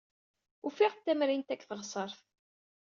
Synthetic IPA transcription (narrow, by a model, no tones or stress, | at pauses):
ufiʁt̪ːæmɾint̪ækːθəʁsˤəɾˤθ